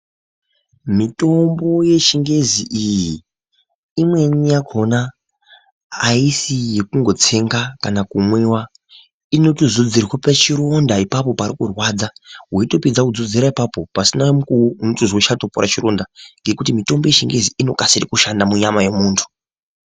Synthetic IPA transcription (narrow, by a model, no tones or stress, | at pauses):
mito̞mbo̞je̞ʃiŋɡe̞ziʔijiː | mwe̞nijakʰo̞na | isije̞kuŋɡo̞t͡se̞ŋɡakanakumwe̞wa | ino̞tuzud͡zirwapat͡ʃiɾo̞ndaipapo̞paɾikurwad͡zawoito̞pid͡zakud͡zud͡ziɾaipapo̞pasinamukuunotuzwoʃatopoɾat͡ʃiɾo̞ndaŋɡe̞kutimito̞mbo̞je̞ʃiŋɡe̞ziino̞kasiɾikuʃandamuɲamaje̞muːntʰu̥